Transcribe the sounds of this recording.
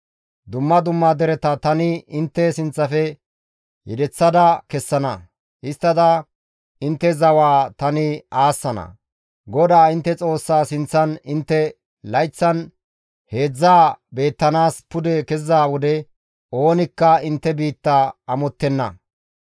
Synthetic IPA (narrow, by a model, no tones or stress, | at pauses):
d̪ʊmːɐd̪ʊmːad̪ɛɾɛt̪ɐt̪ɐnɪɪnt̪ːɛsɪnt͡sːɐfɛ | jɪd̪ɛt͡sːɐd̪ɐkɛsːɐnɐ | ʔɪst̪ːɐd̪ɐ | ɪnt̪ːɛzɐwaːt̪ɐnɪaːsːɐnɐ̰ | ɡɔd̪aːɪnt̪ːɛt͡sʼo̞ːsːaːsɪnt͡sːɐnɪnt̪ːɛ | lɐjt͡sːɐn | he̞ːd͡zːaːbe̞ːt̪ːɐnaːspʊd̪ɛkɛzːaːwɔd̪ɛ | o̞ːnɪkːɐɪnt̪ːɛbiːt̪ːaɐmɔt̪ːɛnːɐ̰